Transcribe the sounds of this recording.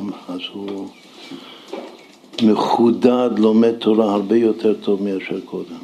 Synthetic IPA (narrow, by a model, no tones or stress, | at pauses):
mazhu | meχud̪ad̪lomed̪̚t̪ʰolahaɾbejot̪ʰeʁt̪ʰovmiaʃeʁkʰod̪em